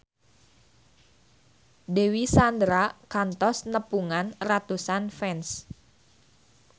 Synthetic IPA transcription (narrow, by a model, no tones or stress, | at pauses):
dewisand̪ɾakant̪ɔsnəpuŋanrat̪usanfɛns